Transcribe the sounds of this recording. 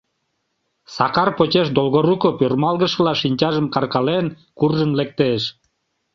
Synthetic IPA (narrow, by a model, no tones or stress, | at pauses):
sɑkɑrpot͡ɕeʃd̪olɣoɾukopørmɑlɣəʃəlɑʃinʲt͡ɕɑʒəmkɑrkɑlen | kurʒənlek̚t̪eʃ